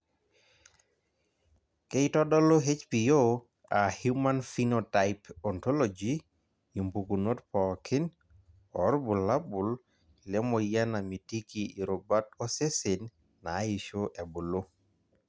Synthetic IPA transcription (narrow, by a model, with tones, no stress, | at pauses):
ke˦jtɔ˦dɔ˦lo˦ɦe˦t͡ʃpijo | a˨hjuma˦nfinotaɪpɔntɔ˦lod͡ʒi | i˨mpuku˨no˦tpɔkʰɪ˦n | ɔ˨ɾbu˨lːa˦bʊ˨l | lɛ˦moja˦na˨mi˨ti˦kii˨ɾobatɔse˦se˨nː | a˨˦i˨ʃoʔɛ˨bu˨lo˦